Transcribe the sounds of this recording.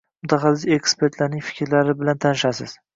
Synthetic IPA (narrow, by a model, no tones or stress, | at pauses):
mʊt̪ʰaχɑsɪziekspe̞ɾt̪ʰlaɾnɪŋʲfɪ̥kʲʰɾlaɾɪbɪlant̪ʰanɪʃasɪ̰z̥